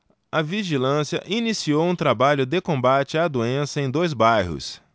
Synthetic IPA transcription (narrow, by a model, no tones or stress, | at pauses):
ɐviʒilɐ̃siɐ̰ʔinisiowũt̪ɾabaʎʊd̪ɪkõbat͡ʃɪad̪uẽsɐẽj̃d̪ojzbajɦʊ̰s